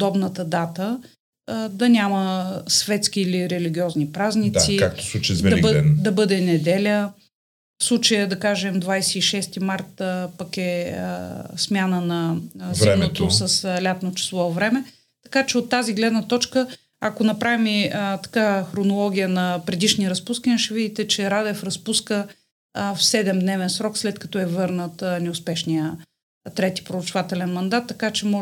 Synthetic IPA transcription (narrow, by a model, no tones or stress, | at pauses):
pod̪ɔbnət̪əd̪at̪ə | d̪ɐnʲaməsvɛt̪skiːliɾɛliɡʲiɔznipɾaznit̪sikak̚t̪o̥sˠut͡ʃjzvɛd̪ɐibɛd̪ɐbɤd̪ɛnɛd̪ɛlʲə | fslˠut͡ʃəjəd̪ɐkaʒɛmd̪vajsɛiʃɛst̪imaɾt̪pɐkɛ̰ | smʲjanənɐzvɛɛnot̪osəslʲat̪not͡ʃɛ̥slˠɔvɾɛmɛ | t̪ɐ̥kat͡ʃɛot̪ːaziɡlɛd̪nət̪ɔt͡ʃkə | akonɐpɾavimit̪ɐ̥kaxɾonolˠɔɡʲijənɐpɾɛd̪iʃniəɾɐspuskəniəʃɛvid̪it̪ɛt͡ʃɛɾad̪ɛfɾɐspuskə | fsɛd̪ɛmd̪nɛvɛnsɾɔkslɛt̪kɐ̥t̪ɔɛvɤɾnət̪nɛʊspɛʃniə | t̪ɾɛt̪i̥pɾoɾɐt͡ʃvat̪ɛlɛnmɐnd̪at̪ːɐkat͡ʃɛmɔ